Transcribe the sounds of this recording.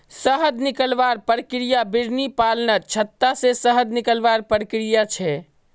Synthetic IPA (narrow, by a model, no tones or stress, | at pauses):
səɦəd̪nikəlʋaɾpəɾəkɾijabiɾnipalnət͡ʃʰət̪ːasesəɦəd̪nikəlʋaɾpɾəkɾijat͡ʃʰɛ